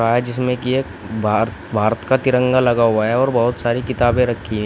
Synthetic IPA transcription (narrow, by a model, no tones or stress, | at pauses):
aːɦɛd͡ʒɪs̬mẽkie | bʱ | bʱaːɾət̪kat̪ɪɾə̃ŋɡalɐɡaɦuwaɦɛɔːɾbɐɦʊt̪saːɾikɪt̪aːbẽɾɐkʰːiɦɛ̃